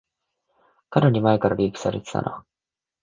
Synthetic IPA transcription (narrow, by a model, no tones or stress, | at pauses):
kaɾaɲ̟imaekaɾaɾʲiːpɯ̥saɾet̪e̥t̪a̰no̰